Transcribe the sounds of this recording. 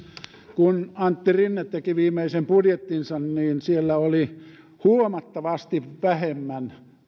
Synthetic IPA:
kunɑnt̪ːirinːet̪t̪ekiʋiːmːˑeisempudjet̪ːinsɑnniːnsielːæoli | huomɑt̪ːɑʋɑst̪iʋʋæhemːæn

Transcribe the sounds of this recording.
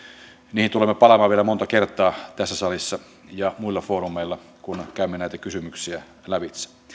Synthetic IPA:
niːhint̪ulemːepɑlɑmɑːʋielæmont̪ɑkert̪ˑɑːt̪æsːæsɑlisːɑ | jɑmuilːɑfoːrumːeilːɑ | kunkæˑymːenæˑit̪ækysymyksiæ | læʋit̪sæ̥

